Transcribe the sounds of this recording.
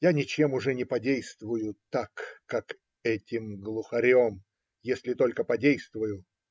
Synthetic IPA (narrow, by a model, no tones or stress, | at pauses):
janʲɪt͡ɕemʊʐɛnʲɪpɐdʲejst̪vʊjʊt̪akːak | ɛtʲɪmɡlˠʊxɐɾʲom | jesʲlʲɪt̪o̞lʲkəpɐdʲejst̪vʊjʊ